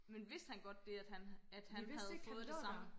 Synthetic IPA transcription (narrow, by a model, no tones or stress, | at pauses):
menʋe̝sd̥hænɡ̥ɒ̽d̥ːe̝æd̥hænæd̥hænhæð̞̩ˠfɔ̽ːð̩ˠd̥e̝sɑ̈m̰n̩